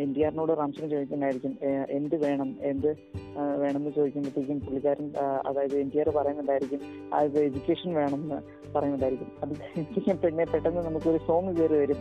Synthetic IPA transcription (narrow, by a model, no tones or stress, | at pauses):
end̪ijaːrnoːɽɨraːmsɐmt͡ɕo̞ːðikʲːuɳɖaːjiɾikʲːumend̪ɨʋe̞ːɳɐme̞nd̪ɨ | ʋe̞ːɳɐmnːɨt͡ɕoːðikʲːumɐt̪ːikʲːumpuɭːiɣaːɾumɐ̰ðaːjɐðɨend̪ijaːrɨpɐrɐjumːuɳɖaːjiɾikʲːum | a̰ðɨed͡ʑukʲːeːʂɐnʋe̞ːɳɐmenːɨ | pɐrɐjumuɳɖaːjiɾikʲːumɐðt͡ɕekːɐmpːeɽnːepːeʈːenːɨnɐmːukːɨo̞ɾuso̞ːŋɨkeːrɨʋɐɾum